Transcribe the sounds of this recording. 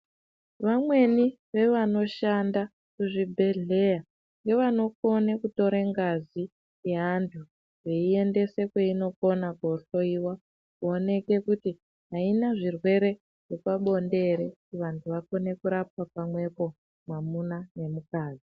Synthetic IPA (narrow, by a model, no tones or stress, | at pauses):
ʋamwe̞ni | ʋe̞ʋano̞ʃanda | kuʐibʱe̞ɮe̞ja | ŋɡe̞ʋano̞ko̞nekuto̞ɾeŋɡazi | jeɦantʰu | ʐe̞ie̞nde̞se̞kweino̞ko̞nakoɬo̞iwa | kuone̞ke̞kuti | ɦainaʐirwe̞ɾe̞ | ʐ̥epaɓo̞nde̞ɾetiʋantʰuʋako̞ne̞kuɾap̚ap̚amwe̞po̞ | mwamunane̞mukaːd͡zi